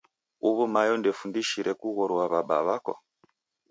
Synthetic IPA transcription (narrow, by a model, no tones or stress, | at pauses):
uβumajɔndɛfundiʃiɾɛkuɣɔɾuwaβaɓa̰βakɔ̰